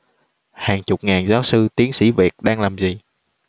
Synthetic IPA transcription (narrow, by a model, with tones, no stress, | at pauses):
haː˨˩ŋt͡ɕʊ˨˩k͡p̚ŋaː˨˩nzaː˨˦wsɨ˧t̪i˨˦əŋsḭ˧˩vi˨˩ət̚ɗaː˧ŋlaː˨˩mzi˨˩